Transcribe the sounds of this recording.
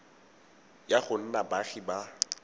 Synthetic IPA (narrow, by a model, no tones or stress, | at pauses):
jaχʊn̩nabaχɪba